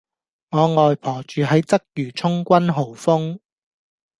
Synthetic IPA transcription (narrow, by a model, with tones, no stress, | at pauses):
ŋɔː˨˧ŋɔː˨jpʰɔː˨˩t͡ʃyː˨ɦɐ˨˥jt͡sɐ˥k̚jyː˨˩t͡sʰʊ˥ŋkʷɐ˥nɦo˨˩wfʊ˥ŋ